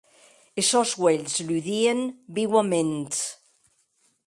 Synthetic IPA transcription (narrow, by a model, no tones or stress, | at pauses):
esɔzɣweʎzlyðienbiɣwament̪